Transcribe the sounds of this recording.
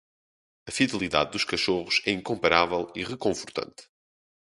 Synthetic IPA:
ɐfiðɨlˠiða̰ðd̪uʃkɐʃoʁʊʃɛĩŋkõmpɐɾavɛlˠiʁɨkõfuɾt̪ɐ̰̃nt̪

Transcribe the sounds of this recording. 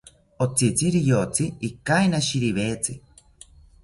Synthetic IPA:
ot͡sit͡siɾijot͡siikainaʃiɾiβeːt͡si

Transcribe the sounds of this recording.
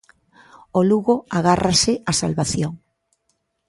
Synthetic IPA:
oluɣoaɣarʔasɪasa̰lβaθjoŋ

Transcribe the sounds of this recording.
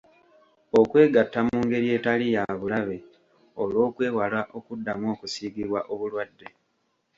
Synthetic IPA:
o̞kwe̞ːɡatːamuːŋɡe̞ɾie̞talijaβulaβe̞ | olo̞ːkwe̞ːwalaʔo̞kudːamwo̞ːkusiːɡiβwaʔo̞βulwadːe̞

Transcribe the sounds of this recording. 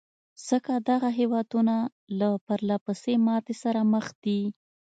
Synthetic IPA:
z̥əkad̪aɣaɦewɑd̪una | lapaɾlapəsemɑt̪esaɾaməxd̪̥i

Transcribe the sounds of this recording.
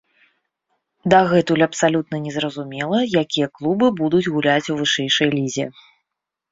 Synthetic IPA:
d̪ɐɣɛt̪ulʲɐpsalʲut̪nɐnʲɛzɾɐzumʲɛlˠɐjakʲijɐklˠubɨbud̪ud͡zʲɣulʲat͡sʲuvɨʂɛjʂɐjlʲizʲɛ̰

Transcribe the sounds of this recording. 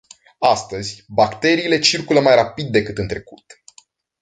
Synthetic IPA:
ast̪əzʲbakt̪e̞ɾiːle̞t͡ʃirkuləmajrapid̪ːe̞kɨt̪ɨnt̪ɾe̞kut̪

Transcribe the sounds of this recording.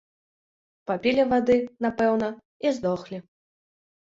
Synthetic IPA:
papʲilʲivad̪ɨnapɛwnɐ | izd̪ɔxlʲi

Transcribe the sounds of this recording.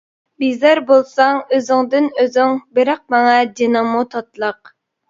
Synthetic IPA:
bizæɾbolˠsɑŋøzɪŋd̪ɪnøzɪŋbɪɾɑq̚mɑŋɑd̪inɨmːut̪ʰɑt̪lˠəq̚

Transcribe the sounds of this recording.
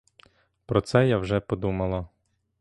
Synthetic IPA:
pɾɔt̪sɛjawʒɛpɔd̪umɐlˠɐ

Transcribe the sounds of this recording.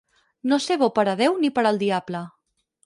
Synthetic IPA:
noseβopəɾəð̞ewnipəɾəlˠd̪iablə

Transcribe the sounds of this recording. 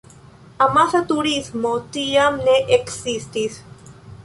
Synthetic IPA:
amaθat̪uɾizmot̪iamneʔeksist̪is

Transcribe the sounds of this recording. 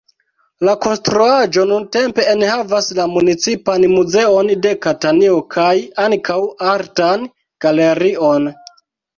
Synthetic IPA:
lako̞nstɾuad͡ʒo̞nunte̞mpe̞ːnhavaslamunit͡sipanmuze̞o̞nde̞katanio̞kʰajaŋkʰawaɾtan | ɡ̥ale̞ɾio̞n

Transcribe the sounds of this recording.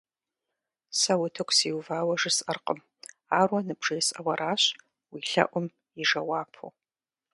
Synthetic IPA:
sɐwʊtʰɨkʷʰʼsiːwvaːwɐʐɨsʼʔɐrqʼəm | aːrwɐnɨbʐ̥ejsʼɐwɐɾaːɕ | wiːɬɐ̰ʔʷʊm | iʐɐwaːpʰo̰

